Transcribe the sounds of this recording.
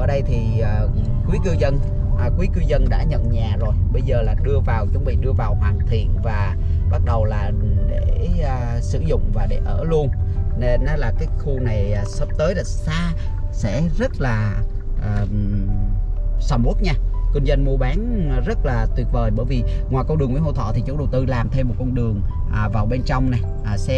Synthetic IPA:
ʔəː˧˩ɗə˧jt̪ʰiː˨˩˨ | kwi˨˦kɨ˧wzə˧n | ʔkwi˨˦kɨ˧wzə˧nɗa̰ː˧˥ɲə̰˧˨nɲaː˨˩zo˨˩jɓə˧jzəː˨˩laː˨˩ɗɨ˧əvaː˨˩wt͡ɕʊ˨˧˦ŋ͡mɓḭ˧˨ɗɨ˧əvaː˨˩whwaː˨˩ŋt̪ʰḭ˧˨ənvaː˨˩ | ɓa˦˥t̚ɗə˨˩wlaː˨˩ | ɗḛ˧˩˧ | sɨ̰˧˨zʊ̰˧˨ŋ͡mvaː˨˩ɗe˧˩ʔəː˧˩lu˧ənne˧nː˨˦laː˨˩kaː˨˦jxu˧na˨˩jsə˦˥p̚t̪əː˨˦jlaː˨˩saː˧ | sɛ̰˧˥zə˦˥t̚laː˨˩ | ʔəː˨˩ | sa˧˩wmʔu˦˥t̚ɲaː˧kwï˧ŋzə˧nmu˧əɓaː˨˦n˨˩zə˦˥t̚laː˨˩t̪wi˨˩ət̚vəː˨˩jɓəː˧˩˨jvi˨˩ŋwaː˨˩jkə˧ŋ͡mɗɨ˨˩əŋmi˨˧˦ɦo̰˧˨t̪ʰɔ̰˧˨t̪ʰi˨˩t͡ɕʊ˨˧˦ɗə˨˩wt̪ɨ˧laː˨˩mt̪ʰe˧mːo˨˩t̚kɔ˧nɗɨ˨˩əŋ | ʔːvaː˨˩wɓe˧nt͡ɕɔ˧wŋ͡mna˨˩jʔaː˨˩sɛ˧

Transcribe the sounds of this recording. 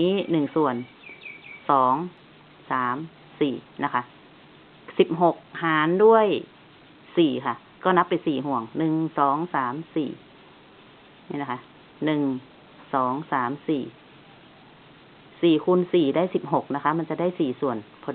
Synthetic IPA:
iː˦˥nɯ˨˩ŋsu˨˩ən | sɔː˨˩˦ŋ | saː˩˦m | siː˨˩na˦˥kʰa˦˥ʔ | si˨˩p̚ɦo˨˩k̚haː˨˦ndu˥˩əj | siː˨˩kʰa˧˩ | kɔː˧˥˩na˦˥pːa˨jsiː˨˩ɦu˨˩əŋnɯ˨˩ŋsɔː˨˩˦ŋsaː˨˩˦msḭː˨˩ | iː˧˩na˧kʰa˧˥ | nɯ˨˩ŋ | sɔː˩˦ŋsaː˩˦msiː˨˩ | siː˨˩kʰu˧˥nsiː˨˩daː˥˩˨jsi˨˩p̚ɦo˨˩k̚na˦˥kʰa˦˥ma˧˥˨nt͡ɕa˨˩daː˥˨jsiː˨˩su˨˩ənpʰɔː˧

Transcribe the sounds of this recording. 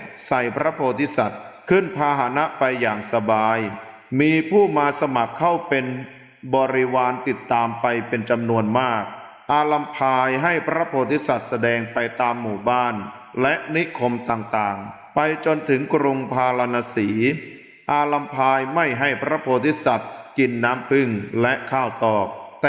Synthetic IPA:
sa˨˩jpʰɾa˦˥pʰoː˧t̪ʰi˦˥sa˨˩t̪̚kʰɯ˥˩npʰaː˧ɦa˩˦na˦˥ʔpa˧jːaː˨˩ŋsa˧baː˧j | miː˧pʰuː˥˩maː˧sa˧ma˨˩kʰːa˥˩wpe˧n | bɔː˧ɾi˦˥waː˧nt̪i˨˩t̪ːaː˧mpa˧jpe˧nt͡ɕa˧mnu˧ənmaː˥˩k̚ | ʔaː˧la˧mpʰaː˧jɦa˥˩jpʰɾa˦˥pʰoː˧t̪ʰi˦˥sa˨˩t̪̚sa˧dɛː˧ŋpa˧jt̪aː˧mːuː˨˩baː˥˩n | lɛ˦˥ʔni˦˥ʔkʰo˧mt̪aː˨˩ŋt̪aː˨˩ŋ | pa˧jt͡ɕo˧nt̪ʰɯ˩˦ŋkɾu˧ŋpʰaː˧la˧naː˧siː˩˦ | ʔaː˧la˧mpʰaː˧jma˥˩jɦa˥˩jpʰɾa˦˥pʰoː˧t̪ʰi˦˥sa˨˩t̪̚ki˧nːaː˦˥mpʰɯ˥˩ŋlɛ˦˥ʔkʰaː˥˩wt̪ɔː˨˩k̚t̪

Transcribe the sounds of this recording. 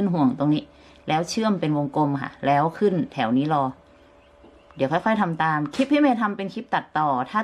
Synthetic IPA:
nɦu˨˩əŋt̪o˧ŋniː˦˥ | lɛː˦˥wt͡ɕʰɯ˥˩əmpe˧nwo˧ŋko˧mkʰa̰˧˩lɛː˦˥wkʰɯ˥˩˨nt̪ʰɛ˩˦wniː˦˥˩lɔː˧ | di˩˦kʰɔː˧˩kʰɔː˧˥˩jt̪ʰa˧mt̪aː˧mkʰi˦˥p̚hi˦˥˨meː˧t̪ʰa˧mpe˧nkʰi˦˥p̚t̪a˨˩t̪ːɔː˨˩t̪ʰaː˧˥˩

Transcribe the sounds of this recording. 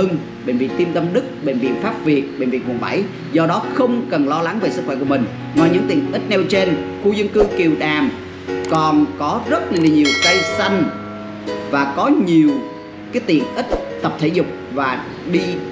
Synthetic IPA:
ə˧n | ɓe˧˩nvḭ˧˨ənt̪i˧mt̪ə˧mɗɨ˦˥k̚ɓe˧˩nvḭ˧˨nfaː˦˥p̚vi˨˩ət̚ɓe˨˧˩nvḭ˨˩m˨˩ə˩ɓa̰˧˩j | zɔ˧ɗɔ˨˦xə˧wŋ͡mkə˨˩nlɔ˧la˨˦ŋve˨˩sɨ˦˥k̚xwɛ˧˩ku˧˩əmï˨˩ŋ̟ | nɔ˨˦ɲɨ̰˧˥ŋt̪ḭ˧˨əŋnʔi˦˥t̚nɛ˧wt͡ɕe˧nxu˧zə˧nkɨ˧ki˨˩əwɗaː˨˩m | kɔ˨˩nkɔ˨˦zə˦˥t̚la˨˩la˨˩ɲi˨˩əwt̪ə˧jsa˧jŋ̟ | vaː˨˩kɔ˨˦ɲi˨˩əw | kaː˨˦jt̪ḭ˧˨˩əŋʔi˦˥t̚t̪ə˨˩p̚t̪ʰe˧˩˦zʊ˨˩k͡p̚vaː˨˩ | ɗi˧

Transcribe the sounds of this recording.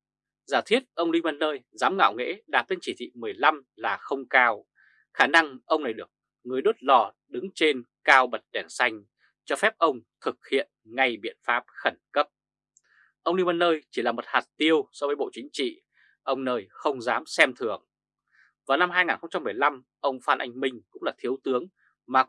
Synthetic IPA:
zaː˧˩t̪ʰi˦˥ət̚ʔə˧wli˧ŋma˧nːəː˧jzaː˨˦mŋa̰ː˧˨wŋḛ˧˥ɗaː˨˩t̪e˧nt͡ɕi˧˩t̪ʰḭ˧˨mɨ˨˩əjla˧m | laː˨˩xə˧wŋ͡mkaː˧w | xaː˧˩na˧ŋʔə˧wŋ͡mna˨˩jɗɨ˨˩ək̚ | ŋɨ˨˩əjɗɨ˦˥t̚lɔ˧˩ | ɗɨ˨˦ŋt͡ɕe˧nkaː˧wɓə˨˩t̚ɗɛ˧˩nsa˧jŋ̟ | t͡ɕɔ˧fɛ˦˥p̚ʔə˧wŋ͡mt̪ʰɨ˨˩k̚hḭ˧˨ənŋa˧jɓḭ˧˨ənfaː˦˥p̚xə˧˩nkə˦˥p̚ | ʔə˧wŋ͡mɗi˧mə˧˩nːəː˧jt͡ɕi˧˩laː˨˩mə˨˩t̚haː˨˩t̚t̪i˧əwsɔ˧vəː˨˦jɓo̰˧˨t͡ɕï˨˦ŋ̟t͡ɕḭ˧˨ | ʔə˧wŋ͡mnəː˧jxə˧wŋ͡mzaː˨˦msɛ˧mt̪ʰɨ˧˩əŋ | vaː˨˩wna˧mhaː˧jŋaː˨˩nxə˧ŋ͡mt͡ɕa˧mːɨ˨˩əjla˧m | ʔə˧wŋ͡mfaː˧nʔa̰˧jŋ̟mï˧ŋ̟kʊ̰˧˥ŋ͡mlaː˨˩t̪ʰi˨˦əwt̪ɨ˨˦əŋ | maː˨˩

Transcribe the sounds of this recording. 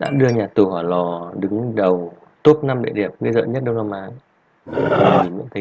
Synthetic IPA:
ɗa̰ː˧˥ɗɨ˧əɲaː˨˩t̪u˨˩haː˧˩lɔ˨˩ɗɨ˨˦ŋɗə˨˩w | t̪o˦˥p̚na˧mɗḛ˧˨ɗi˨˩əp̚mi˧zə̰ː˧˨ɲə˦˥t̚ɗə˧wna˧mʔaː˨˦ŋ | i˨˩mḭ˧˥˨ŋt̪ʰə˨˦

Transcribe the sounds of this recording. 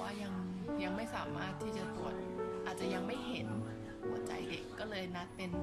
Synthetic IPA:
waː˥˩ja˧ŋja˧ŋma˥˩jsaː˩˦maː˥˩t̪ʰːiː˥˩t͡ɕa˨˩t̪u˨˩ət̪̚ʔaː˨˩t̪̚t͡ɕa˨˩ja˧ŋma˥˩jɦe˩˦n | hu˨˩˦ət͡ɕa̰˧jde˨˩kːɔː˥˩lɤː˧jna˦˥t̪̚pe˧n

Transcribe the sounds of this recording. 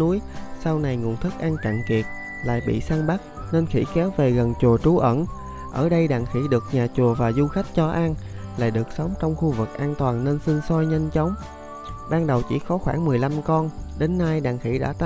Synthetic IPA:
u˨˦jsa˧wna˨˩jŋṵ˨˩ənt̪ʰɨ˦˥k̚ʔa˧nt͡ɕa̰˧˨nki˨˩ət̚ | la̰ː˧˨jɓḭ˧˨saː˧ŋɓa˦˥k̚ | ne˧nxḭ˧˥kɛ˨˦wve˨˩ɣə˨˩nt͡ɕu˨˩ət͡ɕu˨˦ʔə̰˧˩n | ʔə̰ː˧˩ɗə˧jɗa̰ː˧˨ŋxi˧˥ɗɨ˨˩ək̚ɲaː˨˩t͡ɕu˨˩əvaː˨˩zu˧xa˦˥jk̟̚t͡ɕɔ˧ʔa˧nla̰ː˧˨jɗɨ˨˩ək̚sə˨˦wŋ͡mt͡ɕɔ˧wŋ͡mxu˧vɨ˨˩k̚ʔaː˧nt̪waː˨˩nːe˧nsi˧ŋsɔ˧jɲə˧ŋt͡ɕɔ˨˦wŋ͡m | ɓaː˧nɗə˨˩wt͡ɕḭ˧˩xɔ˨˦xwaː˧˩ŋmɨ˨˩əjla˧mkɔ˧nɗe˨˦nːaː˧jɗa̰ː˧˨ŋxḭ˧˩ɗa̰ː˧˥t̪

